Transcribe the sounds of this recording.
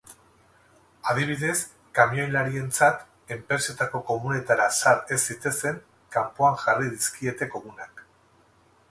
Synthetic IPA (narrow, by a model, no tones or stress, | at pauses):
að̞iβ̞iðe̞s | kamio̞jlaɾie̞nt͡sat̪ | e̞mpɾe̞se̞t̪ako̞ko̞munet̪aɾasaɾe̞sdit̪ese̞ŋ | kampoaŋʝarið̞iskie̞t̪e̞ko̞ɣunak